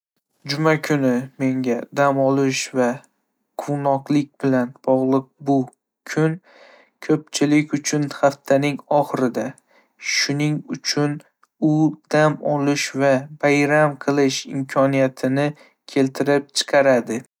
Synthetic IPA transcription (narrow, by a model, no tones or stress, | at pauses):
d͡ʒʊmakʲʰʊnɪme̞ŋɡʲad̪amɒlˠɪʃva | qʰʊwnɒqlˠɪk̚ʲbɪlanb̥ɒʁlˠɨq̚bʊ | kʰʊn | kʰɵp̚t͡ʃʰɪlɪkʲʊt͡ʃʰʊnhaft̪ʰanɪŋɒχɨɾɪd̪a | ʃʊnɪŋʊt͡ʃʰʊn | ʊd̪̥amɒlˠɪʃvabajɾamqʰɨlˠɪʃɪmkʰɒnijat̪ʰɪnɪ | kʲʰe̞lt̪ʰɪɾɪp̚t͡ʃʰɨ̥qʰɑɾad̪ɪ